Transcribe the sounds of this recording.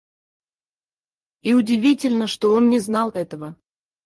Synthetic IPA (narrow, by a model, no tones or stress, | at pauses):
iʊdʲɪvʲitʲɪlʲnəʂt̪oonnʲɪznɑlˠɛt̪əvə